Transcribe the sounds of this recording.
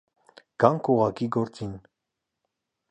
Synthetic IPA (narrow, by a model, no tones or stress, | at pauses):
ɡ̥ɑŋkuʁɑkiɡɔɾt͡sin